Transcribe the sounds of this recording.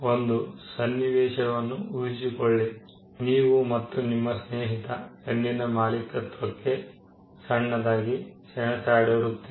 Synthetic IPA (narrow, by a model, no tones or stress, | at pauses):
o̞nd̪usɐnːiʋɛːʃɐʋɐnːuuisikɔɭːe | niːʋumɐt̪ːunimːɐsneːɦit̪ɐenːinɐmaːlikːɐt̪ʋɐkːe | sɐɳːɐd̪aːɡisɛɳɐsaːɽɐɾut̪ːe